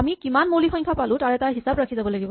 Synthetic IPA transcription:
amikimanmolixɔjŋkʰapalʊ̃taɹɛtaɹɦisabɹakʰizabɔlaɡibɔ

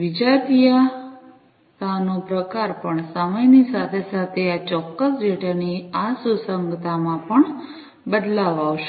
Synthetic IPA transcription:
ʋid͡ʒat̪ija | t̪anopɾəkaɾpəɳsəməjnisat̪ʰesat̪ʰeat͡ʃɔkːəsd͡ʒeʈaniasusəŋɡt̪ʰamãpəɳ | bəd̪laʋaʋʃe

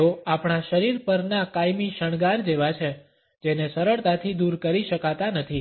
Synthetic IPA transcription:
oapɳ̃aʃəɾiɾpəɾnakajmiʃəɳ̃ɡaɾd͡ʒeʋat͡ʃʰe | d͡ʒenesəɾəɭt̪at̪ʰid̪uɾkəɾiʃəkat̪anət̪ʰi

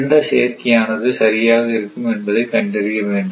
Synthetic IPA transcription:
ɳɖɐɕeːrkʲːijaːnɐðɨɕɐɾijaːɣiɾukːumenbɐðekɐɳɖerijɐʋeːɳɖɯ

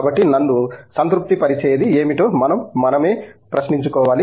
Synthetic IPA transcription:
bɐʈːinɐnːusɐnt̪ɾup̚t̪ipɐɾit͡ʃɛːjɐd̪ieːmiʈoːmɐnɐmːɐnɐme̞ːpɾɐʃniɲt͡ʃukɔːʋaːli

